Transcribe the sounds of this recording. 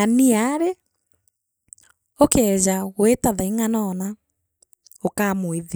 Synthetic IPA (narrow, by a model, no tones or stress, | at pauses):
aniaɾe | okɛd͡ʑaɣwetaðaiŋanɔna | okamweð